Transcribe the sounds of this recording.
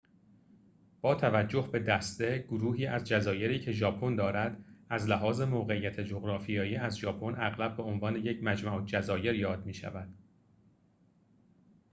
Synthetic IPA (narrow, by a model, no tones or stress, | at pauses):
b̥ɒːt̪ʰævæd͡ʒːo̞hbe̞d̪æst̪e̞ɡ̥oɾuːɦiːʔæzd͡ʒæzɒːje̞ɾiːcʰe̞ʒɒːpʰo̞nd̪ɒːɾæd̪æzlæɦɒːze̞moːɣeijæt̪ʰed͡ʒoɣɾɒːfijɒːjiæzʒɒːpʰo̞næɣlæb̚be̞onvɒːne̞je̞cʰmæd͡ʒmæʔod͡ʒæzɒːje̞ɾjɒːd̪miːʃæ̰væd̪̥